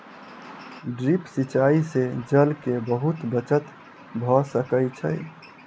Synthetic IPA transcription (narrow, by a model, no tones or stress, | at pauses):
ɖɾipsit͡ʃaised͡ʒəlkebəɦut̪bət͡ʃət̪ | bʱɔsəkəjt͡ʃʰəj